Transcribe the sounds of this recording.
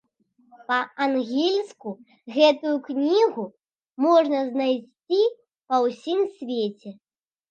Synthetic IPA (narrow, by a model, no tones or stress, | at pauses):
pɐanɣʲilʲsku | ɣɛt̪ujuknʲiɣu | mɔʐnɐznajsʲt͡sʲi | pɐwsʲimsʲvʲet͡sʲɛ